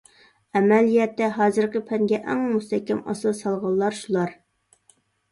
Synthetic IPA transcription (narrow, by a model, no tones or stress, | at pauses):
ɛmɛlijɛt̪ːɛɦɑːzɨɾqəpʰɛŋɡʲɛʔɛŋmust̪ʰɛkʲːɛmɑ̰sɨsɑlˠʁɑlˠːɑɾʃulˠɑɾ